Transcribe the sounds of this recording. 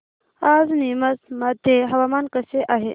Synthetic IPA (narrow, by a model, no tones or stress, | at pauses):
azniməsmad̪ʱjeɦɐʋamankəseʔaɦe